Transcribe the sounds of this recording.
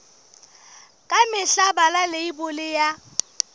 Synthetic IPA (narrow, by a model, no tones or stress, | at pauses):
kʼamɪɬabalaleibʊlɪja